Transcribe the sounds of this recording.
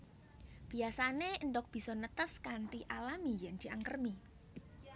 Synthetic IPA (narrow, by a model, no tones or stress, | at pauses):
b̥i̤asanenɖɔk̚b̥i̤sɔnət̪əskaɳʈiʔalamijɛnd̪̥i̤aŋkərmi